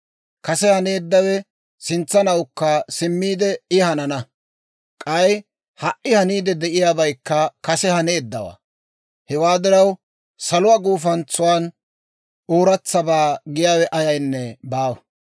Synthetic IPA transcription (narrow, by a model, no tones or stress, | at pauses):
kɐsɛhɐne̞ːd̪ːɐwɛ | sɪnt͡sːɐnɐwkːɐsɪmːiːd̪ɛɪhɐnɐnɐ | kʼɐj | hɐʔɪhɐniːd̪ɛd̪ɛʔɪjaːbɐjkːɐkɐsɛhɐneːd̪ːɐwa̰ | hɛwaːd̪ɪɾɐw | sɐlʊwaːɡuːfɐnt͡sːʊwan | oːɾɐt͡sːɐbaːɡɪjaːwɛʔɐjɐjnːɛbaːwɐ